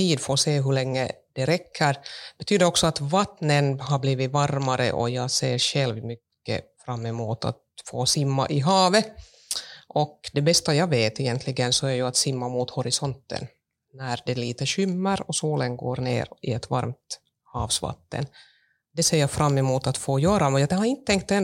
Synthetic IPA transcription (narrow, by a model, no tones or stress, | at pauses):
t̪iːd̪foːɾseːɦɵɭɛŋːə̰d̪̥ɛɾɛkʰːəɾb̥ɛt̪ʰyːd̪əɾɔksɔat̪vat̪nənɦabliːvɪvaɾmaɾə̰ʔɔjɑːseːɾɕɛlvmʏkːə̰fɾamːɛmuːt̪ʰa̰t̪foːsɪmːa̰ʔɪɦɑːvə | ʔɔkd̪ɛbɛst̪ajɑːveːt̪ɪjɛnt̪ʰlɪɡənsɔæɾjɵat̪sɪmːamuːt̪hɔɾɪsɔnt̪ːə̰n | næɾd̪ɛliːt̪əɕʏmːəɾɔsoːlənɡo̰ːɾɳḛːɾɪɛt̪va̰ɾmt̪ | hɑːvsva̰t̪ːə̰n | d̪ɛseːɾjɑfɾʔamːɛmuːt̪at̪foːjœːɾamɛnjd̪ɛhaɾɪnt̪ət̪ʰɛŋk̚t̪ɛn